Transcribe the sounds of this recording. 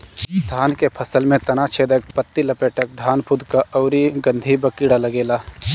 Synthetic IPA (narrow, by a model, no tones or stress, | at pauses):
d̪ʱaːnkepʰəsəlmẽt̪ɐnat͡ʃʰeːd̪ek̚pət̪ːilɐpeʈək̚d̪ʱaːnpʰud̪ʱkaʔɔʊɾiɡə̃nd̪ʱibəkiɽaləɡeːlaː